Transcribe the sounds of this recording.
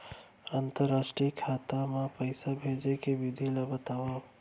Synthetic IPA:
ənt̪əɾːaʃʈɾikʰːat̪amãpəjsabʱed͡ʒekeʋid̪ʱilabət̪aʋo

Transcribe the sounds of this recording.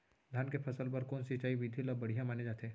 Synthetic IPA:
d̪ʱjaːnkepʰɐsəlp̬ɐɾkɔːnsɪt͡ʃaːiʋid̪ʱiləbɐɽ̤ijãmaːned͡ʒaːt̪eː

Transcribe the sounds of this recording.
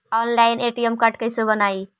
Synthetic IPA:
ɔnlaɪneːʈijəmkəʈkəɪsobənaːi

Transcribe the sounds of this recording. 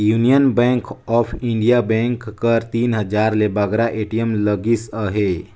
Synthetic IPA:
junijənbɛ̃ŋkɔpʰiɳɖijabɛ̃ŋkːəɾt̪iːnɦəd͡ʒaɾlebəɡɾaʔeʈijəmləɡisəɦe

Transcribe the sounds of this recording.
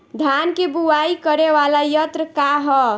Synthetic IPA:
d̪ʱjankebuwaikəɾeʋalajət̪ɾəkaɦɔ

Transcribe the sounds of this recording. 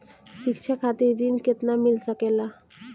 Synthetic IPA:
ʃikt͡ɕʰakʰat̪id̪inket̪namilsakela

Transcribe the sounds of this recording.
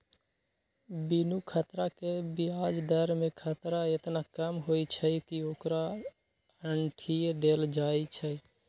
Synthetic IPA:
binukʰət̪ɾakebiad͡ʒd̪əɾmekʰət̪ɾaet̪nakəmɦojt͡ʃʰəkiokɾa | əɳʈʰid̪eld͡ʒait͡ʃʰɛ

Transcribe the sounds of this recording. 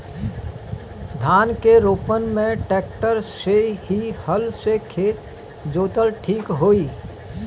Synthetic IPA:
d̪ʱaːnkeɾoːpənmẽʈeːk̚ʈəɾseɦihəlsekʰeːt̪ | d͡ʒoːt̪əlʈʰiːkɦoːiː

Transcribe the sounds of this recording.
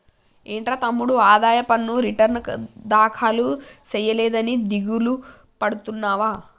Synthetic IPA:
eːɳʈɾaːt̪ɐmːuɽuaːd̪aːjɐpɐnːuɾiʈɐɾnd̪aːkʰaːlut͡ʃɛjɐlɛːd̪ɐnid̪iɡulu | pɐɽut̪unːaːʋaː

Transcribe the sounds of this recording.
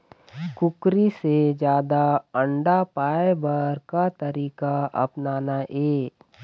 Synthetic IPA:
kʊkɾised͡ʒjaːd̪aə̃ɳɖapaːebəɾkat̪ɐɾiːkaɐ̰pnaːnaʔeː

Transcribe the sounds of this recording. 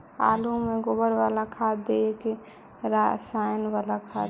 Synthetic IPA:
a̰lumeɡobəɾʋalakʰad̪eeke | ɾasajnʋalakʰa

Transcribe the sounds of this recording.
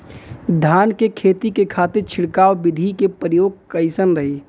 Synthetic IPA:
d̪ʱaːnkekʰeːt̪ikekʰaːt̪ɪɾt͡ʃʰɪɽkaːwbɪd̪ʱikepɾəjoːɡ̚kəɪsənɾəɦe

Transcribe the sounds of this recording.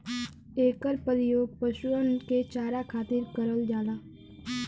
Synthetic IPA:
eːkəɾpəlɪjoːpəʃuonket͡ʃaːɾakʰaːt̪ɪɾkəɾəld͡ʒaːd̪aː

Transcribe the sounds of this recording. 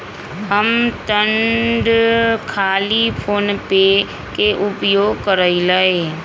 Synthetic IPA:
ɦəmt̪əɳɖkʰaːlipʰoːnpe | keʔʊpjoːɡkəɾəilaeː

